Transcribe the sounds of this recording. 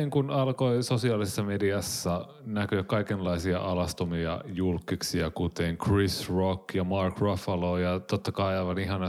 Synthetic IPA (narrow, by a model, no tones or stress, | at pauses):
eŋkunɑlkoisosiɑːlisesːɑmediɑsːɑ | nækøkkɑikenlɑisiɑ̰ʔɑlɑst̪omiɑ̰julkːiksiɑkut̪eŋkrisrokjɑmɑrkrofɑloːjɑt̪ot̪ːɑkɑiɑiʋɑniɦɑnɑ